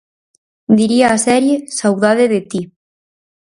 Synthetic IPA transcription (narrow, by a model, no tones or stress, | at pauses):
d̪iɾiaːsɛɾjesawðaðeðet̪i